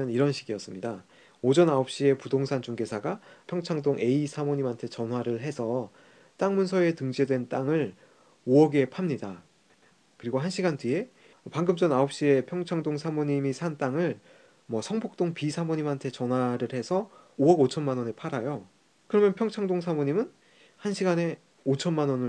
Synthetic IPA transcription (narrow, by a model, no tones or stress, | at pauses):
ɯniɾʌnɕʰiɡiʌs͈ɯmɲida | od͡ʑʌnaop̚ɕ͈ie̞pudoŋsʰand͡ʑuŋɡe̞sʰaɡapʰjʌŋt͡ɕʰaŋdoŋʔe̞isʰamoɲimɦantʰe̞t͡ɕʌnwaɾɯɭɦe̞sʰʌ | t͈aŋmunsʰʌe̞tɯŋd͡ʑe̞dwe̞nt͈aŋɯɭ | oʌɡe̞pʰamɲida | kɯɾiɡoɦanɕʰiɡandɥie̞ | paŋɡɯmt͡ɕ͈ʌnaop̚ɕ͈ie̞pʰjʌŋt͡ɕʰaŋdoŋsʰamoɲimisʰant͈aŋɯɭ | mwʌsʰʌŋbok̚t͈oŋpisʰamoɲimɦantʰe̞t͡ɕʌnwaɾɯɭhe̞sʰʌ | oʌɡot͡ɕʰʌnmanʌnepʰaɾajo | kɯɾʌmjʌnpʰjʌŋt͡ɕʰaŋdoŋsʰamoɲimɯn | hanɕʰiɡane̞ | ot͡ɕʰʌnmanʌnɯ